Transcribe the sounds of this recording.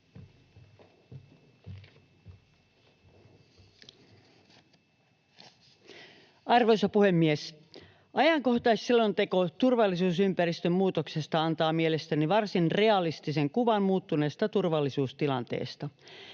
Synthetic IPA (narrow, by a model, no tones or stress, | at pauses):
ɑrʋojsɑpuhe̞mːies | ʔɑjɑŋko̞ht̪ɑissilːont̪e̞ko̞t̪urʋɑlːˑisuːsympærist̪ømmuːt̪okse̞st̪ɑɑnt̪ɑːmielest̪æniʋɑrsinre̞ɑlist̪iseŋkuʋɑnmuːt̪ːuneːst̪ɑt̪urʋɑlːisuːst̪ilɑnt̪ḛːst̪ɑ